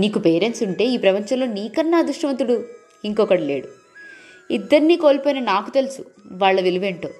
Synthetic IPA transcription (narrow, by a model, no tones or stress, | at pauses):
niːkupeːɾensuɳʈe̞ːiːpɾɐpɐɲt͡ʃɐmlo̞ːniːkɐnːaːd̪uʂʈɐʋɐnt̪ːuɽu | iŋkɔːkɐɽɐle̞ːɽu | id̪ːɐɾniːko̞ːlpoːjinɐnaːkut̪e̞lusuʋaːɭːɐʋiluʋeɳʈo̞̰ː